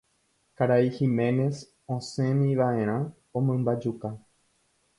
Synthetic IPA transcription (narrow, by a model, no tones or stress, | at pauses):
kaɾaihimẽ̞ne̞s | õsẽ̞mĩʋaʔẽ̞ɾ̃ã | õmãmbad͡ʒuka